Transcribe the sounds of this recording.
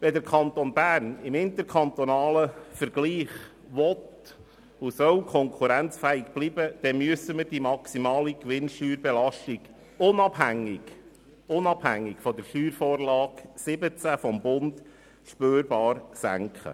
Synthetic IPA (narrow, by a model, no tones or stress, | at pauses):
ʋɛd̪əɾkʰɑnt̪onbæːrnɪmɪnt̪əɾkʰɑnt̪ɔnɑːləfəɾɡ̥liːχ | ʋɔt̪ | ʊsœwkʰɔŋkʰχuɾænt͡sfɛːɪkb̥liːbəd̪̥ɛmyəsəməɾd̥imɑksimɑːlikʋɪnʃtyːɾbɛlɑʃtiɡ̥ | ʊnɑb̥ɦæŋːɪɡ̥ | ʊnɑb̥hæŋːɪɡfɔdəɾʃyːɾfoːɾlɑːksɪbət͡sæfɔmbʊnd̪ | ʃpøːɾb̥ɑːɾsæ̰ŋkχə̰